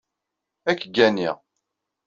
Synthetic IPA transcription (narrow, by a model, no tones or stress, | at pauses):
ækːɡːæniʁ